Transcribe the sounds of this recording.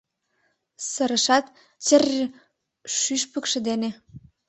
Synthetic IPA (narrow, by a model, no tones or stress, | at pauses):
sə̆ɾə̆ʃɑt̪ | t͡ɕər | ʃyʃpə̆kʃĕd̪ene